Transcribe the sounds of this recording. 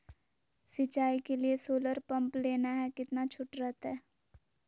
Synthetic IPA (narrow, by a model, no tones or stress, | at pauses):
sɪt͡ʃaːikeliesoːləɾpɐ̃mpleːnaɦɛkɪt̪nat͡ʃʰʊʈɾɛɦt̪ɛː